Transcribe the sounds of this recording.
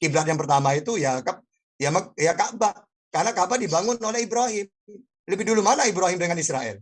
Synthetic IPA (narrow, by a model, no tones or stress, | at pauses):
kiblat̪jaŋpərt̪amait̪ujakap̚ | jamajakaʔba | karnakabadibaŋʊnolɛhibɾaɦɪm | ləbɪhdulumanaibɾaɦɪmdəŋanisɾa̰ɛ̰l